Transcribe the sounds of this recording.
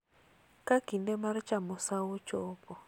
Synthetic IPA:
kakindɛmaɾt͡ʃamosawot͡ʃɔːpɔ

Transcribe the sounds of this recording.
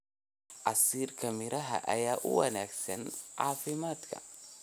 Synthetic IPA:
ʔɑsiːrkʰɐmɪɾʔɐɦɐ̰ʔɐ̰jaːʔʊwɐ̰naːɡsɐnʕɑ̰ːfɪmaːd̪kʰɐ̰

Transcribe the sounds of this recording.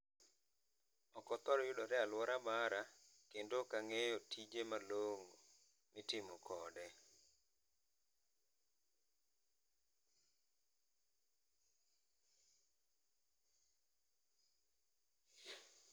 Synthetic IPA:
ɔkɔt̪ɔɾɔjʊdɔɾɛalwɔɾabaɾakendokaŋejɔtʰid͡ʒemaloŋo | mɪtɪmɔkʰɔdɛ

